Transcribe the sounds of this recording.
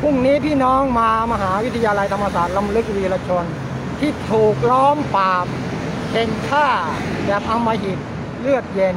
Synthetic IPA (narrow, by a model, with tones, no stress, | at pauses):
pʰu˥˩ŋniː˦˥pʰiː˥˩nɔː˦˥ŋmaː˧ma˧ɦaː˩˦wi˦˥t̪ʰa˧jaː˧la˧jt̪ʰa˧mːa˧saː˨˩t̪̚la˧mlɯ˦˥k̚wiː˧laː˧t͡ɕʰo˧n | t̪ʰiː˥˩t̪ʰuː˨˩k̚lɔː˦˥mp̪aː˧m | hʰe˧˩nk̪ʰaː˥˩ | bɛː˨˩p̪̚a˧mːaː˧ɦi˨˩t̪̚ | lɯ˥˩ək̪̚je˧n